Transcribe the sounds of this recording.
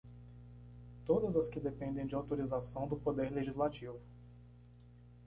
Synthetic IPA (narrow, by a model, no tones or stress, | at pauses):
t̪od̪ɐzɐskɪd̪epẽnd̪ẽj̃d͡ʒɪawt̪oɾizasɐ̃w̃d̪ʊpod̪eɾleʒizlat͡ʃivʊ